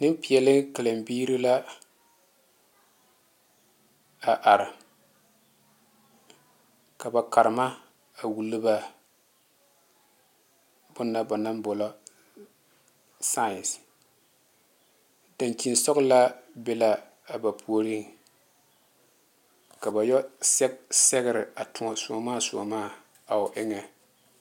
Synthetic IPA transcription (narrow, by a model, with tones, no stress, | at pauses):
nɨ˦mpi˨ɛ˨lɪ˦ŋka˨la˨mbiː˦ɾi˦la˦ | a˨ʔa˨ɾɪ˨ | ka˨ba˨ka˨ɾɪ˨ma˦ | a˨wu˨lɨ˦ba˦ | bʊ˦nːa˦ba˨na˦mbɔ˨la˦ | sa˦˨s | da˨nki˨n˦sɔ˦ɣʊ˦la˦bɛ˦la˦ | a˨ba˨pʰu˦o˨˦ɾi˦ŋ | ka˨ba˨jɔ˦sɛ˦sɛ˦ɣɪ˦ɾɪ˨a˨tʊ˨ŋa˨sʊ˨ɔ˨maː˦˨sʊ̰˨a̰˨maː˦˨ | a˨ʊ˨ʔɪ˦ŋɛ˨